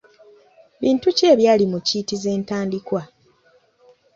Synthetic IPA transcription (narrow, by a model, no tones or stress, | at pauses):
βiːntuce̞ːβjaːlimuciːtize̞ːntaːndikwa